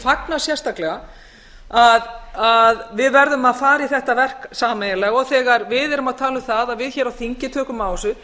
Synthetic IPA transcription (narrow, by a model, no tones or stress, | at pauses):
faknasjɛr̥st̪aklɛɣa | aðaðvɪðvɛɾðʏmaðfaːɾiθɛht̪avɛr̥ksaːmɛjɪlɛɣɔɣθɛːɣaɾvɪðɛɾʏmaðt̪ʰaːlʏmθaðaðvɪðçɛːɾawθiɲcɪt̪ʰœːkʏmaːwsʏ